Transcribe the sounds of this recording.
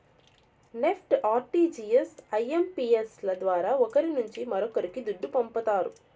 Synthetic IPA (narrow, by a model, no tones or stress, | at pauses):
nepʰʈaːɾʈiːd͡ʒiːesɐjempiːeslɐd̪ʋaːɾaːɔkɐɾinuɲt͡ʃimɐɾɔkɐɾikid̪uɖːupɐmpɐt̪aːɾṵ